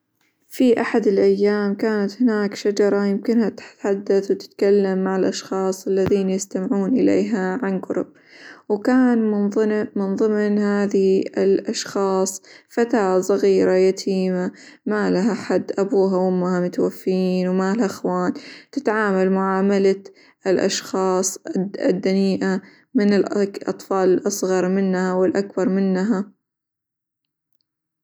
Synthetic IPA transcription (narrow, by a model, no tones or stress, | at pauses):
fiʔaħad̪ɪlʔajːaːmkaːnat̪hɪnaːkʃad͡ʒɑɾˤɑjɪmkɪnhat̪ħad̪ːaθwt̪ɪ̥t̪kalːamːaʕɪlʔɑʃxɑːsˤalːaðiːnjɪst̪amɪʕuːnʔɪlḛːɦaʕanɡʊɾʊ̰b̚ | wkaːnmnmɪnðˤɨmnhaːðiɪlʔɑʃxɑːsˤfat̪aːsˤɑɣiːɾajat̪ʰiːma | malaɦħad̪ːʔabuːɦawɪmːahamʊt̪wafːjiːnwmalaxwaːnt̪ɪt̪ʕaːmalmʊʕaːmala | ɪlʔɑ̰ʃxɑːsˤɪd̪ːaniːʔa | mɪnɪlʔʔɑ̰t̪ˤfɑːlɪlʔɑsˤɣɑɾˤmɪnːhawɪlʔakbɑɾˤmɪnːɦa